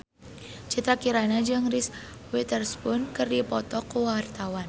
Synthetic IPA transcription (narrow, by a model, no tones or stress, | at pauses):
t͡ʃit̪ɾakiɾanad͡ʒɨŋris | wit̪ərspʊnkərdipɔt̪ɔkowart̪awan